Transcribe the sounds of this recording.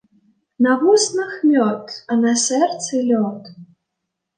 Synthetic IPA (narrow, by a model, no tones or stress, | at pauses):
navusnɨxmʲɔt̪ɐnasɛrt̪sɨlʲɔt̪